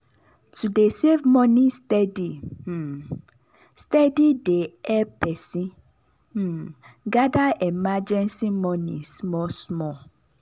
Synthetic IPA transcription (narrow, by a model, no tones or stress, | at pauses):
tudesevmɔ̃nĩstɛdi | stɛdideɛpɛsĩ | ɡadaɛmad͡ʒɛ̃nsimɔ̃nḭ̃smɔsmɔ